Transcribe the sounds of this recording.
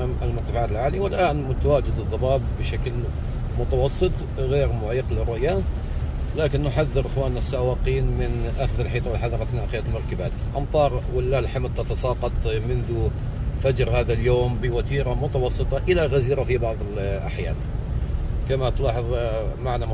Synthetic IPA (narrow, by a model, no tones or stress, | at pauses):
amalmʊɾt̪ːafaʕaːt̪ɪlʕaːliwɪlʔaːnmʊt̪awaːd͡ʒɪd̪ɨðˤːɑbɑːbːɪʃakl | mʊt̪awɑsˤːɨt̪ˤ | ɣeːɾmʊʕiːqlɪrːʊʔja | laːkɪnːʊħaðːɨɾʔɪxwaːnasːawɑːqiːnmɪnʔaxðɪlħiːt̪ˤɑwɪlħɑðˤɑɾˤɑθnaːʔqɪjat̪lmʊɾˤkabaːt̪ʔɑmt̪ˤɑːɾˤwɪlːaːlħamd̪̚t̪ɑt̪ɑsˤɑːqɑt̪ˤmɪnðʊ | fad͡ʒɾhaːðaljoːmbɪwat̪iːɾamʊt̪awɑsˤːɨt̪ˤɑʔɪlaɣaziːɾafibɑʕðˤɪlʔa̰ħjaːl | kamat̪lɑːħɨðˤmaʕna